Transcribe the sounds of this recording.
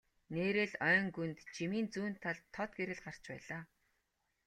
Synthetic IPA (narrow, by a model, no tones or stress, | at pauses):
neːɾĕɮœːŋɡunt̪t͡ɕʰimiːnt͡suːnt̪ʰːaɮt̪ʰːɔt̪̚ɡeɾɘ̆ɮɢar̥t͡ɕpæ̰ːɮaː